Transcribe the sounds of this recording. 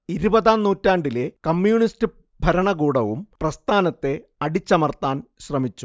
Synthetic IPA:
iɾubɐðaːnnuːtːaːɳɖile̞kɐmːjuːɳistɨ | bʱɐɾɐɳɐɡuːɽɐʋumprɐst̪ʰaːnɐt̪ːe̞ɐɽit͡ɕːɐmɐrt̪ːaːnɕrɐmit͡ɕːu

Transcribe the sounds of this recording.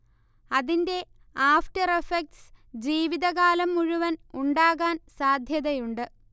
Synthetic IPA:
ɐðinde̞ | aːfʈɐrefek̚ʈsd͡ʑiːʋiðɐɣaːlɐmːuɻuʋɐnuɳɖaːɣaːnsaːd̪ʱjɐðɐjuɳɖɨ

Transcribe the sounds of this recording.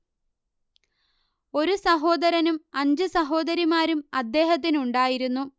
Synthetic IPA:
o̞ɾusɐɦo̞ːd̪ɐɾɐnumɐɲd͡ʑɨsɐɦo̞ːd̪ɐɾimaːɾumɐd̪ːe̞ːɦɐt̪̬ːinuɳɖaːjiɾunːu

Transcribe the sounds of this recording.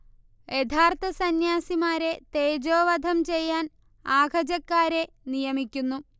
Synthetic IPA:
jet̪ʰaːrt̪ʰɐsɐnjaːsimaːɾe̞t̪e̞ːd͡ʑo̞ːʋɐd̪ʱɐmt͡ɕe̞jːaːn | aːɡʱɐd͡ʑɐkːaːɾe̞ | nijɐmikʲːunːu

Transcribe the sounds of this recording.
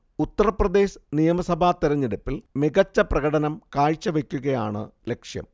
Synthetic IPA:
ut̪ːɐrɐprɐd̪e̞ːɕnijɐmɐsɐbʱat̪iɾɐɲːeɽupːilmiɣɐt͡ɕːɐprɐɣɐɽɐnɐmkaːɻt͡ɕːɐʋekʲːuɣɐjaːɳɨ̰le̞kʂjɐ̰m

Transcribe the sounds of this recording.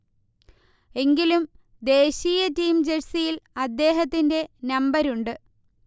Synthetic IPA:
e̞ŋɡilum | d̪e̞ːɕiːjɐtiːmd͡ʑesijilɐd̪ːe̞ːɦɐt̪ːinde̞nɐmbɐɾuɳɖɨ

